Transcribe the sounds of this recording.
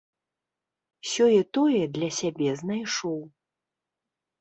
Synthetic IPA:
sʲɔjɛt̪ɔjɛd̪lʲɐsʲabʲɛznajʂɔw

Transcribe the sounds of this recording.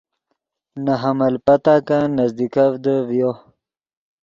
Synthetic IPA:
naɦamɐlpat̪akanazd̪ikavd̪əvjo

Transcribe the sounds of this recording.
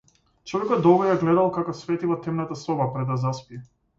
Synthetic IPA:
t͡ʃɔvɛkɔd̪d̪ɔbɾɔjaɡlɛd̪alˠkakɔsvɛt̪ivɔt̪ɛmnat̪asɔbapɾɛd̪ːazaspiɛ

